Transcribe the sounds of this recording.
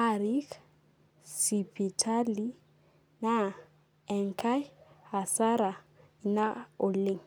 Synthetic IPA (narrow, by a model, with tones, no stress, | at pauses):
a˦ɾi˦k | si˨pʰi˨tʰa˦li˦ | na˦ | ɛ˨ŋkʰa˦jha˨sa˦ɾa˨ | i˨na˦o˨li˦ŋ